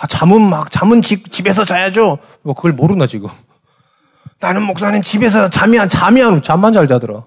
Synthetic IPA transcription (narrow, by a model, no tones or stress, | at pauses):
at͡ɕamɯnmak̚t͡ɕamɯnt͡ɕik̚t͡ɕibe̞s̬ʰʌt͡ɕajad͡ʑo | ɡʌkɯɡʌɭmoɾɯnad͡ʑiɡo | nanɯnmok̚s͈animt͡ɕibe̞s̬ʰʌt͡ɕamiant͡ɕamiɦanot͡ɕamːand͡ʑaɭd͡ʑadɯɾa̰